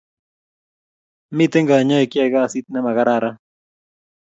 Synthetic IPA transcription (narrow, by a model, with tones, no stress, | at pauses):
mɪ˦t̪e˦ŋɡa˨ɲɔ˦e˨kja˦ɡa˦˨si˦t̪̚nɛ˦ma˨ɣa˦ɾa˦˨ɾa˦